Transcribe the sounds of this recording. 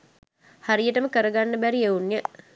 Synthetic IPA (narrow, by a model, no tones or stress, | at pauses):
haɾijəʈəməkəɾəɡanːəbæɾieunjə